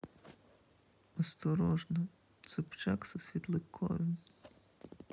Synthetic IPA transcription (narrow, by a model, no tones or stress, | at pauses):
ɔst̪ɔɾɔʒnɔ | t̪sʊpt͡ʃaksɔsʲʋʲit̪lˠɪkʰːɔ̰ʋʲɪm